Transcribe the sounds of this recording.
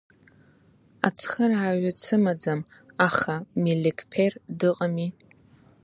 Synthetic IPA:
at͡sʰχərʕaɥat͡sʰɨmad͡zam | aχamilikʰʼpʰerdɨqʼami

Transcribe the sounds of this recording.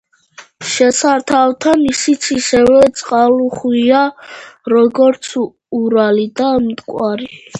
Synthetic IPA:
ʃɛsaɾt̪ʰawt̪ʰanisit̪sʰiʃɛvɛt̪sʼqʼaluχwiaɾɔɡɔɾt̪sʰ | uɾalid̪amt̪ʼkʼwaɾi

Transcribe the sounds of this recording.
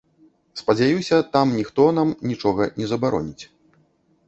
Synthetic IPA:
spɐd͡zʲajusʲɐt̪amnʲixt̪ɔnamnʲit͡ʂɔɣɐnʲɛzɐbaɾɔ̰nʲit͡sʲ

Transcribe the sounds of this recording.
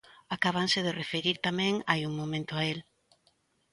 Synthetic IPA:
akaβ̞ansɪðerefeɾiɾt̪amɛ̃ŋajuŋmomẽnt̪ʊael

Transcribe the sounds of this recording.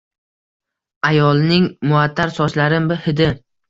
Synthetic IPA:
ajɒlˠnɪŋmʊat̪ʰːaɾsɒslaɾɪmbɪhɪd̪ɪ

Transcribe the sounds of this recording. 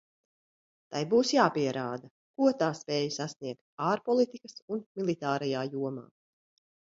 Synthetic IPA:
t̪ajbuːsjaːpiɛɾʔaːd̪a | kuɔt̪aːspɛːjusasniɛkt̪̚aːɾpɔlˠit̪ikɐsunmʲilˠit̪aːɾɛjaːjuɔma̰ː

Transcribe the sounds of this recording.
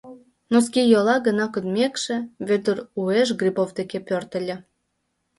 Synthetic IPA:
nos̬kijolɑɣə̆nɑkod̪mʲekʃĕβød̪ərueʃ̬ɡrʲibovd̪ekepørt̪ə̆lʲĕ

